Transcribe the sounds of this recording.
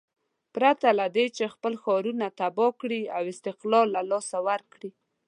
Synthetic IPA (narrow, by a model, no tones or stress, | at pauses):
pɾat̪alad̪et͡ʃexpəlxɑɾunat̪abɔkɽiawɪst̪ɪqlɑlːalɑsawaɾkɽi